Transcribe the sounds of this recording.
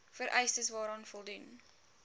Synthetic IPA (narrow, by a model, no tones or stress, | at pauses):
fəɾʔɛjstəsvɑːɾɑːnfɔlˠdun